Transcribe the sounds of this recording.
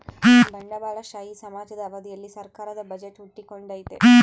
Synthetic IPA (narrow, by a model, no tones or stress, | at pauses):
bɐɳɖɐbaːɭɐʃaːjisɐmaːd͡ʒɐd̪ɐɐʋɐd̪ijɐlːisɐɾkaːɾɐd̪ɐbɐd͡ʒeʈːuʈːikːoɳɖaːjit̪ːḛ